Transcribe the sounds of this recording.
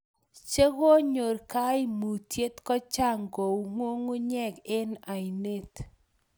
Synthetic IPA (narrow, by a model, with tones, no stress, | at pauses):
t͡ʃe˦ɣo˦ɲo˨rka˦ɪ˦mu˨tje˦tkɔ˦t͡ʃa˦˨ŋɡo˨wŋwo˦ŋo˦ɲɛ˦˨ɡɪ˦na˨i˨ne˦t